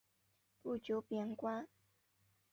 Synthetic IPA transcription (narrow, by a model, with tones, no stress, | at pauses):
pu˥˩t͡ɕjo˨˦pjɛ˨˩nkwa˥